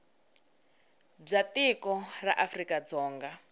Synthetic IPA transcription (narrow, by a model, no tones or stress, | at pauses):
b͡ʐatikɔra̰ʔafrikad͡zɔːŋɡa